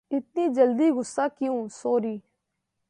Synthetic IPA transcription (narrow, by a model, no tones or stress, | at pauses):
ɪt̪̚niːd͡ʒəld̪iːɡʊsːaːkɪjũːsoːɾiː